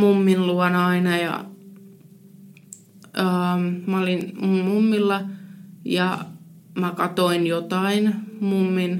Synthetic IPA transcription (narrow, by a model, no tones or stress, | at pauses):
mumːinluɑnɑinɑjɑ̰ | əːmæolinmunmumːilːɑjɑmækɑt̪oinjot̪ɑinmumːin